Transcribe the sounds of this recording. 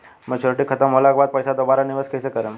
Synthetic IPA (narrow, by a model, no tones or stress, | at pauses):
mə̃t͡ɕʰoɾəʈikʰːət̪əmːolakbad̪̚pəjsad̪obaɾaniʋaskəjsekəɾə̃